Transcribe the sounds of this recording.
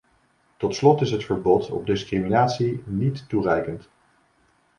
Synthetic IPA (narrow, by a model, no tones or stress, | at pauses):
tɔtslɔtɪsɦətfəɹbɔtʰɔ̰b̚dɪskriminaːtsinitːurɛjkənt